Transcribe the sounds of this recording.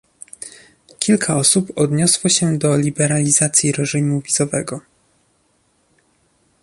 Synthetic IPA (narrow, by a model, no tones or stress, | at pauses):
kʲilkʰaɔsupɔd̪ɲɔswɔɕɛd̪ɔlʲibɛɾalʲizat̪sʲjiɾɛʐimuvʲizɔvɛɡɔ